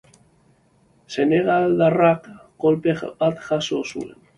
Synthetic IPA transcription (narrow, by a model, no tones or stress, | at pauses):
se̞neɣald̪arakːo̞lpebat̪ʝasosṵḛn